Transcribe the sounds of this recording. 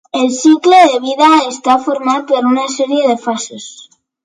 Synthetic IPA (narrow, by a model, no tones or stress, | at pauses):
e̞lsikloðeβ̞iðaest̪afoɾmaðpeɾunaseɾje̞ðe̞fasos